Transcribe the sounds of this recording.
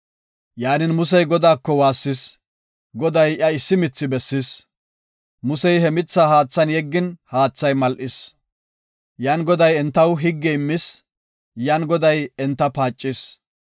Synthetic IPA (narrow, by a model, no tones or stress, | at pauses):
jaːnɪnmʊs̬ɛjɡɔd̪aːkːɔwaːsːɪs | ɡɔd̪ɐjʔɐɪsːɪmɪt͡sːɪbɛsːɪs | mʊsɛjhɛmɪt͡sːaːhaːt͡sːɐnjɛɡːɪnhaːt͡sːɐjmɐlʔɪs | jaːnɡɔd̪ɐjɛnt̪ːɐwɦɪɡːɛɪmːɪs | jaːnɡɔd̪ɐjɛnt̪ːɐpaːt͡ʃʼːɪs